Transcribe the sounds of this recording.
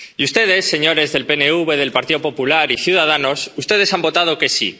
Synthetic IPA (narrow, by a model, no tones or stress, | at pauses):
iust̪e̞ð̞e̞sːe̞ɲo̞ɾe̞zðe̞lpe̞ne̞uβe̞ðe̞lpaɾt̪iðo̞po̞pulaɾiθjuð̞að̞ano̞sust̪e̞ð̞e̞sambo̞t̪að̞o̞ke̞sḭ